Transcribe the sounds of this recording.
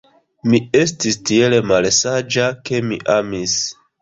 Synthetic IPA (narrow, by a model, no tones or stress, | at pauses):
mie̞stistie̞lemalsad͡ʒake̞mḭʔamis